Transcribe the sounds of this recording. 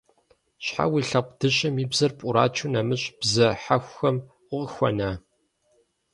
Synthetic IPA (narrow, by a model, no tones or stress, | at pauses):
ɕħa̰wiɬɐq̚ʷʼd̥ɨɕɐmiːbzɐrpʼʊɾaːt͡ʃʰʊnɐmɨɕʼb̥zɐħaxʷxɐmʷ | ʊqxʷɔnaː